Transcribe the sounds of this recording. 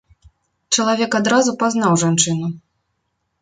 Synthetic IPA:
t͡ʂɐlˠavʲɛkad̪ɾazupaznawʐant͡ʂɨnu

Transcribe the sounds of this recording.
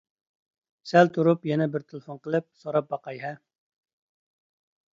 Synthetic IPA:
sɛlt̪ʰuɾupjɛnɛbɪɾt̪ʰɪlˠɨfonqəlˠɨp̚soɾɑp̚bɑqɑjɦɛ

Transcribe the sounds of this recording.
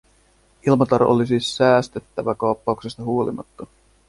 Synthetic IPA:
ilmɑt̪ɑɾoʔo̰lisiːsːæːst̪e̞t̪ːæʋækɑwpːɑuksest̪ɑɦuo̞lḭmɑ̰t̪ːɑ

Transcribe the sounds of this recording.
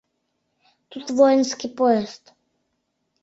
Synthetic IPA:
t̪ut̪vɔjɛnskipɔɛst̪

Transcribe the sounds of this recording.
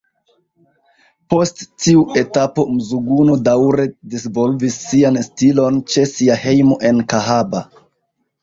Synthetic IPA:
po̞stːiuʔe̞tapo̞muzuɡunodawɾe̞disvo̞lvisːianstilo̞nt͡ʃe̞siahe̞jmo̞ʔe̞nkaɦaba̰

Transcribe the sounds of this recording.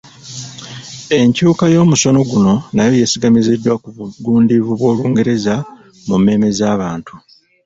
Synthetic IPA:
e̞ɲcuːkajo̞ːmuso̞no̞ɡuno̞najo̞jesiɡamizedːwakuβuɡuːndivuβwo̞ːluːŋɡe̞ɾe̞za | mumːe̞ːme̞zaːβaːntu

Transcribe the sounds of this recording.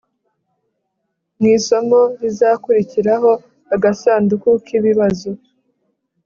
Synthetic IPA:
mŋiːso̞mo̞ɾizaːkuɾiciɾaɦo̞ | aɡasaːndukukʰiβiβazo

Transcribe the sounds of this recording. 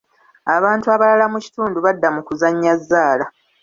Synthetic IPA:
aβaːntuaβalalamuci̥tuːnduβadːamukuzaɲːazːaːla

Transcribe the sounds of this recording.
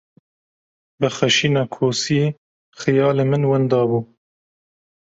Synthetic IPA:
bɨxɛʃiːnɑːkʰoːsiː | xɨjɑːlemɨnwɛnd̪ɑːbuː

